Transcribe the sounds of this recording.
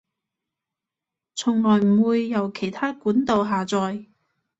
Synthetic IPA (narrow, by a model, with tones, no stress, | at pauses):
t͡sʰʊ˨˩ŋlɔː˨˩jm̩˨˩wuː˧jːɐ˨˩wkʰe˨˩jt̪ʰaː˥kuː˨˥nt̪o˨˧wɦaː˨t͡sɔː˨˧j